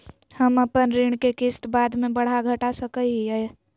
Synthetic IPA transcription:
həməpənɾiɳ̃kekɪsʈbaːd̪mẽbəɽ̤aɡʱəʈasəkəiiɛ

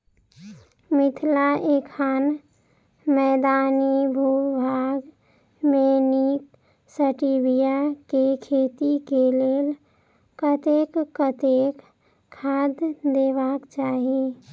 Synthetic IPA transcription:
mɪt̪ʰlaʔeːkʰaːn | mɛːd̪aːnibʱuːbʱaːɡ | meniːk | səʈibijakekʰeːt̪ikeleːl | kət̪eːkːət̪ekʰː | aːd̪d̪eːʋakt͡ʃaːɦie

